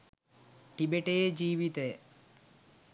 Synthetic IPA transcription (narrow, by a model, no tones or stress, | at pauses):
ʈibeʈejed͡ʒiːʋit̪ej